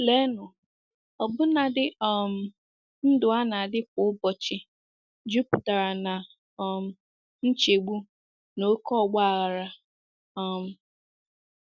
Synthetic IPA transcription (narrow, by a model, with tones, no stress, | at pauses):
le˦nʊ˨ | ɔ˨bʊ˦na˨dɪ˦ɔ˨m̩˨ | n̩˦dʊ˨a˦na˨a˨dɪ˦kʷʊ˨ʊ˦bɔ˨t͡ʃɪ˦ | d͡ʒu˦pʊ˨ta˨ɾa˨na˨ | ɔ˨m̩˨ | n̩˦t͡ʃe˨ɡ͡bu˦ | no˦kɔ˦˨ɡ͡ba˦a˨ɣa˨ɾa˨ | ɔ˦m̩˦